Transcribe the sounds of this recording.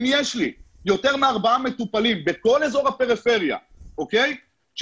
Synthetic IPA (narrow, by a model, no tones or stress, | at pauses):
mijeʃli | jo̞t̪e̞ʁmeaʁbaame̞t̪upalimbeko̞lezo̞ʁape̞ʁife̞ʁja̰ | okej | ʃ